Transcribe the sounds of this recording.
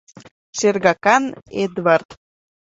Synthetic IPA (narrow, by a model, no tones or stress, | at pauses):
ʃerɣɑkɑned̪βart̪